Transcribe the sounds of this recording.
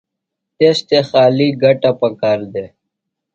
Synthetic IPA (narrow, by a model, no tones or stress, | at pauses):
t̪est̪exaːliɡɐʈapəkaːɾd̪e